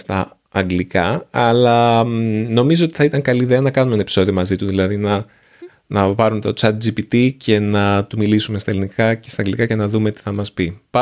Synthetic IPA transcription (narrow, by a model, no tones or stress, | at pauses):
st̪ɐː | ŋɡlikɐɐlɐ | no̞mizo̞ot̪i̥θɐit̪ɐŋkɐliːðe̞ɐnɐkɐnumene̞pi̥so̞ðio̞mɐzit̪uðilɐðinɐ | nɐpɐɾume̞t̪ot͡sɐt̪̚d͡ʒipit̪icʰe̞nɐt̪umilisumest̪ɐelinikɐce̞st̪ɐŋɡlikɐce̞nɐðume̞t̪i̥θɐmɐspipɐ